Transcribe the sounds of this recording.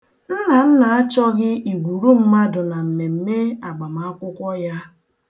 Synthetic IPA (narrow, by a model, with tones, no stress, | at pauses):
n̩˦na˨n̩˦na˨a˦t͡ʃɔ˦ɡɪ˦i˨ɡʷu˨ɾu˦m̩˦ma˦dʊ˨na˨m̩˨me˨m̩˨me˦a˨ɡ͡ba˨m˨a˨˦a˦kʷʊ˦kʷɔ˦ja˦